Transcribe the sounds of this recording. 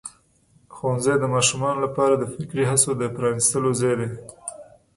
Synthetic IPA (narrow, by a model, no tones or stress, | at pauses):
xowanzajd̪əmɑʃumɑnolapɑɾad̪əfɪkɾiɦasod̪əpɾɑnist̪əlozɑjd̪e